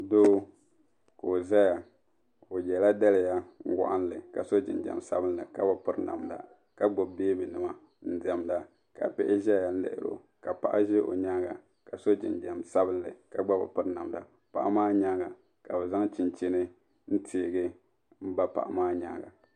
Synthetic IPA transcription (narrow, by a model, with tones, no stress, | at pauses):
doː˦ | ko˨za˦ja˨ | o˨jɛ˨la˦da˦lɪ˨ja˦ŋ̩˦wɔ̰˨ʔa˦n˦lɨ˨ka˨so˦d͡ʒɪ̰˨nd͡ʒɛ̰˨msa˦bɨ˦n˦ɨ˨ka˦ba˨pɨ˦ɾna̰˨mda̰˨ | ka˦ɡ͡bo˨bbeː˦bɨ˨nɨ˨ma˨ | n̩˦dɛ˨mda˨ | ka̰˨pɛ˦ʔɪ˦ʒa˦ja˨˦lɛ̰˦ʔɪ̰˦˨ɾo̰˨ | ka˨pa˨ʔa˦ʒɛ˦ʔo̰˨ɲa˦ɡa˨ | ka˨so˦d͡ʒɪ̰˨nd͡ʒɛ˨msa˦bɨ˦nlɨ˨ka˨ɡ͡ba˦ba̰˨pɨ˦ɾna˨mda˨ | pa̰˨ʔa˦maː˦ɲa˦ɡa˨ | ka˨bɛ˨za˦ŋt͡ʃɪ˨nt͡ʃe˦nɨ˦ | n̩˦tʰe˨ɡɨ˦ | m̩˦ba˦pa̰˨ʔa̰˨maː˦ɲa˨˦ɡa̰˨